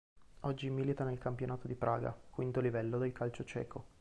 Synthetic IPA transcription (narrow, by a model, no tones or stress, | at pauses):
ɔd͡ʒːimilit̪anelkampjonaːt̪od̪ipɾʔa̰ːɡa̰kwint̪olivɛlːod̪elkʰalt͡ʃot͡ʃɛ̰ːkʰo